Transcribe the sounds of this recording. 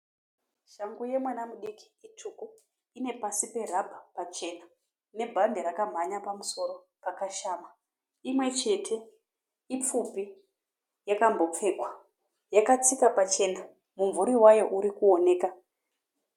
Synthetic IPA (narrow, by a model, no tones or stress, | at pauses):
ʃaŋɡuje̞mwanamuɗiki̥itʰuku | ine̞pasipe̞rabʱapat͡ʃe̞na | ne̞bʱandeɾakam̤aɲapamuso̞ɾo̞ | pakaʃaːma | imwe̞t͡ʃe̞tʰe̞ | ip͡fupi | jakambo̞p͡fe̞ːkwa | jakat͡sikapat͡ʃe̞na | muɱvuɾiwajo̞ʔuɾikuo̞ne̞ːka